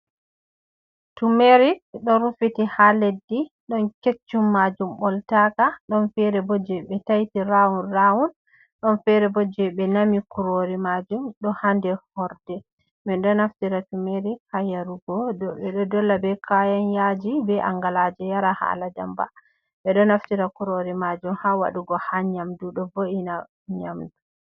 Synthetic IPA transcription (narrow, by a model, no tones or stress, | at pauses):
tumeɾiɗɔɾufitihaledːiɗɔnket͡ʃːumːad͡ʒumbɔltakaɗɔnfɛɾɛbɔd͡ʒɛɓɛtajtiɾawunrawun | ɗɔnfɛɾɛbɔd͡ʒɛbɛnamikuɾoɾimad͡ʒumɗɔhandɛhɔɾdɛ | mɛnɗɔnaftiɾatumeɾikajaɾuɡɔdɔɓɛɗɔdɔlːabɛkʰajanjad͡ʒibɛʔaŋɡalad͡ʒɛjaɾaha̰lada̰mba̰ | ɓɛɗɔnaftiɾakuɾoɾimad͡ʒumhawa̰ɗuɡɔhaɲamduɗɔvoʔina | ɲamdu